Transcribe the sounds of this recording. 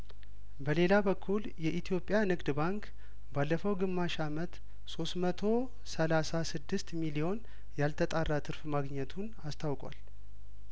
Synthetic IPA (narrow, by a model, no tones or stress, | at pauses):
bəle̞labəkʰːuljɛʔit̪ʰijo̞pʼːjanɨɡd̪baŋkʰ | balːəfəwɡɨmːaʃamət̪ | so̞st̪mət̪ʰo̞ | səlasasɨd̪ːɨst̪milio̞n | jalt̪ʰət̪ʼarːat̪ʰɨɾfmaɡɲɛt̪ʰunast̪ʰawkʼwa̰l